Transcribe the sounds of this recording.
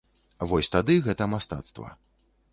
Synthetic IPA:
vɔsʲt̪ad̪ɨɣɛt̪ɐmast̪a̰t̪st̪vɐ̰

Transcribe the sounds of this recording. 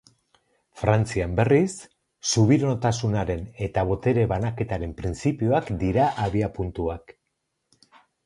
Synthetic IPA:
fɾant͡siambe̞risː | uβ̞iɾoot̪asunaɾe̞ne̞t̪aβ̞o̞t̪e̞ɾe̞βanake̞t̪aɾe̞mpɾint͡sipio̞akd̪iɾaʔaβiapunt̪uak

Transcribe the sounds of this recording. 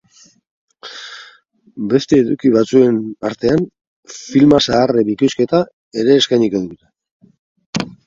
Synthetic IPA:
be̞st̪e̞ːðukiβat͡sue̞naɾt̪e̞an | filmasaːreβikuske̞t̪a | e̞ɾe̞ːskajɲikoðuut̪e̥

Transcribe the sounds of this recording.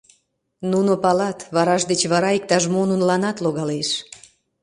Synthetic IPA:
nunopɑlɑt̪βɑɾɑʃd̪et͡ɕβɑɾɑik̚t̪ɑʒmonunlɑnɑt̪loɣɑleʃ

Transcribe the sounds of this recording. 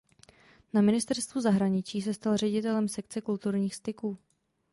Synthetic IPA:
namɪnɪst̪ɛɾst̪vuzaɦɾaɲɪt͡ʃiːs̬ɛst̪alr̝ɛɟɪt̪ɛlɛmsɛkt͡sɛkult̪uɾɲiːxst̪ɪkuː

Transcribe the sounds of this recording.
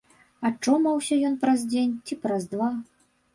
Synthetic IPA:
ɐt͡ʂːɔmɐwsʲɐjɔnpɾɐzʲd͡zʲenʲt͡sʲipɾazd̪va

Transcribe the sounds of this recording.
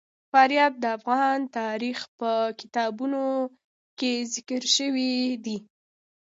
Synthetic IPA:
fɑɾjɑb̚d̪əafɣɑnt̪ɑɾixpəkɪ̥t̪ɑbuno | kezɪkəɾʃəwid̪i

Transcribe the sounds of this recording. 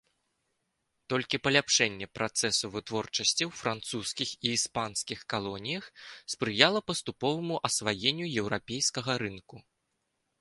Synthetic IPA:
t̪ɔlʲkʲipɐlʲapʂɛnʲːɛpɾat̪sɛsuvɨt̪vɔrt͡ʂɐsʲt͡sʲiwfɾant̪suskʲixiːspanskʲixkalˠɔnʲijɐxspɾɨjalˠɐpɐst̪upɔvɐmuʔɐsvajenʲːujɛwɾapʲejskɐɣɐɾɨnku

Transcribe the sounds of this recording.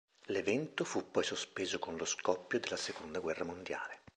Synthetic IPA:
levɛnt̪ofupːɔjsospeːzokonloskɔpːjod̪elːasekond̪aɡwɛrːamond̪ja̰ːle

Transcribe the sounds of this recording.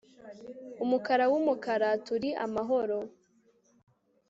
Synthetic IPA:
umukaɾawumukaɾatuɾiʔa̰maɦo̞ɾo

